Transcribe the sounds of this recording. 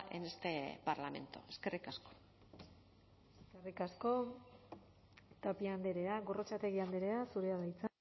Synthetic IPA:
ʔḛnest̪epaɾlame̞̰nt̪oeskerikasko̥ | eskerikasko̞ | t̪apiand̪eɾe̞aɣo̞rot͡sat̪e̞ɣ̞iand̪eɾe̞asuɾe̞aðajt͡sa

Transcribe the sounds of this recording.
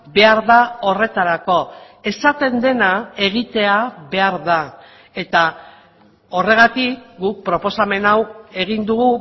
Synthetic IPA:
be̞aɾðao̞re̞t̪aɾako̞ | e̞sat̪e̞nd̪e̞nae̞ɣ̞it̪e̞aβe̞aɾða | e̞t̪a | o̞re̞ɣ̞at̪ikɡuk̚pɾo̞po̞same̞nawe̞ɣ̞ind̪uɣu

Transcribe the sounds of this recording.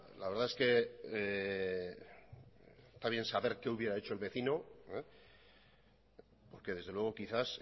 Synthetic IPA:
la̰βe̞ɾðae̞ske̞ | st̪aβje̞nsaβe̞ɾke̞uβje̞ɾae̞t͡ʃo̞elβe̞θino̞e | po̞ɾke̞ðe̞zðelwe̞ɣ̞okiθas

